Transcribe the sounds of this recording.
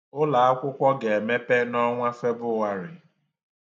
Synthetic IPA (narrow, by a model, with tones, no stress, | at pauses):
ʊ˦la˨a˦kʷʊ˦kʷɔ˦ɡe˨e˨me˦pe˦nɔ˦ŋʷa˦fe˦bʊ˦wa˦ɾɪ˨